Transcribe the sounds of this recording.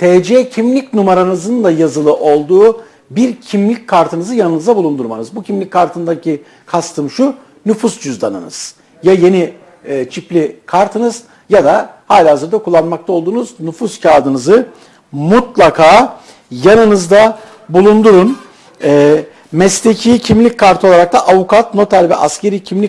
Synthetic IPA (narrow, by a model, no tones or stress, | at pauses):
t̪ʰɛːd͡ʒɛcʰimlʲicnumaɾanɯzɯnd̪ajazɯlˠɯʔo̞lˠd̪uː | biɾcʰimlʲic̚ʲkʰaɾt̪ʰɯnɯzɯjanɯnɯzd̪abulˠund̪uɾmanɯzbucʰimlʲicʲkʰːaɾt̪ʰɯnd̪acʰi | kʰast̪ʰɯmʃu | nufusd͡ʒyzd̪anɯ̰nɯ̰z̥ | jaje̞niː | t͡ʃʰiplʲikʰaɾt̪ʰɯnɯz | jad̪ahaːlʲaɦazɯɾd̪akʰulˠːanmak̚t̪ʰaolˠd̪uːnuznufuscʰaːd̪ɯnɯzɯ | mut̪lˠakʰaː | janɯnɯzd̪a | bulˠund̪uɾun | ɛ | mɛst̪ecʰicʰimlʲic̚kʰːaɾt̪ʰɯoaɾak̚t̪ʰaʔavukʰat̪no̞t̪ʰalʲvɛ̰ʔasce̞ɾicʰimlʲi